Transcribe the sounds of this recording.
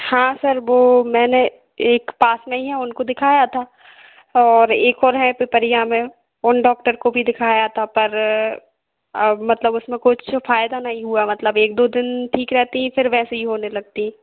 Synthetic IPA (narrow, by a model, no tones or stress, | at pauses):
hãːsɐɾʋoːmɛ̃ːne | eːkpaːsmẽɦĩɦɛ̃ʊnkod̪ɪkʰaːjat̪ʰaː | ɔːɾeːkɔːɾɦɛ̃pɪpəɾijãmẽ | ʊnɖɔːk̚ʈəɾkobʱid̪ɪkʰaːjat̪ʰapɐɾ | mɐt̪ləbʊsmẽkʊt͡ʃʰfaːjd̪anɐɦĩɦuamɐt̪ləbeːk̚d̪oːd̪ɪnʈʰiːkɾɛɦt̪iɦɛ̃fɪɾʋɛːseɦiɦoːnelɐɡ̚t̪iɦɛ̃ː